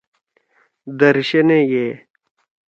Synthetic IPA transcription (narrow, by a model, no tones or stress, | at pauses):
d̪ɐɾɕɐnejeː